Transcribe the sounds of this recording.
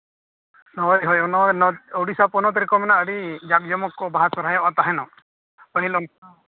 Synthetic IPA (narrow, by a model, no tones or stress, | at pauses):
nɔjɦɔjɔnɔnɔɔwɽisapɔnɔt̪ɾikɔmɛnaəɽid͡ʒak̚d͡ʒɔmɔkːɔbaɦasɔɾajɔ̃ʔat̪aɦɛnɔ | pəɦilɔŋ